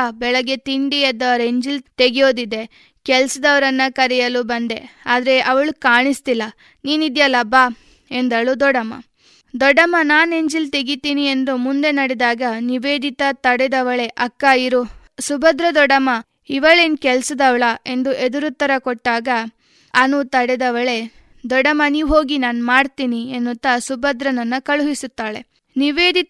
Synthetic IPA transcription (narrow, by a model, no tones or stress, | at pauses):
bɛɭɐɡe̞t̪iɳɖiɐd̪ɐʋɐɾe̞ɲd͡ʒilt̪e̞ɡijo̞ːd̪id̪e̞ | kɛlɐsɐd̪ɐʋɐɾɐnːɐkɐɾɛjɐlubɐnd̪e̞aːd̪ɐɾe̞ʔɐʋɐɭukaːɳist̪ilːɐ | niːnid̪jɐlɐba | e̞nd̪ɐɭud̪ɔɽɐmɐ̰ | d̪ɔɖːɐmɐnaːne̞ɲd͡ʒilt̪e̞ɡit̪iːnie̞nd̪umund̪e̞nɐɽɛd̪aːɡɐniʋeːd̪it̪ɐt̪ɐɽɛd̪ɐʋɐɭe̞ʔɐkːaːjiɾu | subɐd̪ɾɐd̪ɔɽɐmɐ | iʋɐɭen̚kɛlsɐd̪ɐʋɭɐʔe̞nd̪uʔed̪uɾut̪ːɐɾɐkɔʈːaːɡɐː | nut̪ɐɽɛd̪ɐʋɐɭe̞ | d̪ɔɖɐmɐniːʋɦo̞ːɡinaːnmaːɽt̪iːnienːut̪ːɐsubɐd̪ɾɐnɐnːɐkɐɭuɦisut̪ːaːɭe̞̰ | niʋeːd̪it̪